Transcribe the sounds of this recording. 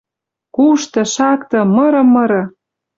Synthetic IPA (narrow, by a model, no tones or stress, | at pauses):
kuʃt̪ɤ̆ʃɑkt̪ɤ̆mɤ̆ɾɤ̆mːɤ̆ɾɤ̆